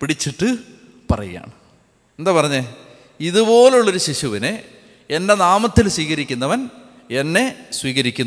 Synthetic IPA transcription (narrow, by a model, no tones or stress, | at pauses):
piɽit͡ɕːiʈːɨ | pɐrɐ̰ja̰ːɳ | end̪aːpɐrɐɲːe | iðubo̞ːleuɭːo̞ɾuɕiɕuʋine | endenaːmɐt̪ːilswiːɣɐɾikʲːunːɐʋɐn | enːe̞swiːɣɐɾikʲːun